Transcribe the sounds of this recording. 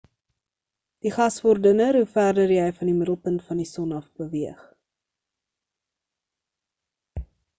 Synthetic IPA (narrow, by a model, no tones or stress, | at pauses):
d̥iχɐsvɔrdənəɾɦufærdərjɛjfɐndimədəlˠpəntfɐndisɔnɐfbəviəχ